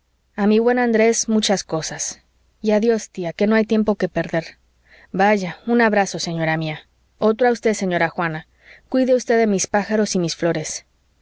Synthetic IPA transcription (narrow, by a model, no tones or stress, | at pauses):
amiβwe̞nand̪ɾe̞smut͡ʃasko̞sas | iaðjo̞st̪iake̞no̞ajt̪je̞mpo̞kepe̞ɾðe̞ɾ | baʝaunaβɾaso̞se̞ɲo̞ɾamia | o̞t̪ɾaust̪eðse̞ɲo̞ɾaxwana | kwiðeust̪eðemispaxaɾo̞simisflo̞ɾe̞s